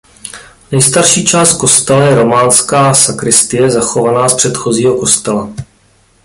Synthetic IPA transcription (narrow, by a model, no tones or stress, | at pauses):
nɛjst̪aɾʃiːt͡ʃaːst̪̚ko̞st̪ɛlajɛɾo̞maːnskaːsakɾɪst̪ɪjɛzaxo̞vanaːspr̝̥ɛt̪xo̞ziːɦo̞ko̞st̪ɛla